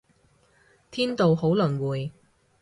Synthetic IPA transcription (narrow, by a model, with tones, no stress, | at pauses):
t̪ʰiː˥nt̪o˨wɦo˨˥wlɵ˨˩nwuː˨˩j